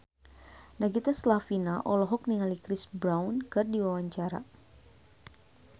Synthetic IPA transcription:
naɡit̪aslafinaʔɔlɔɦɔk̚niŋalikɾisbɾawnkɨrdiwawaɲt͡ʃaɾa̰

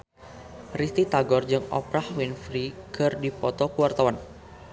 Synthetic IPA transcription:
rist̪it̪aɡɔrd͡ʒɨŋɔ̰pɾahwinfɾikʰɨrdipɔt̪ɔkuwart̪awan

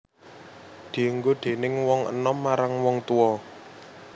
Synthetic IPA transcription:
d̪̥iəŋɡoɖ̪̥e̤nɪŋwɔŋə̰nɔmːaɾaŋwɔŋt̪uɔ

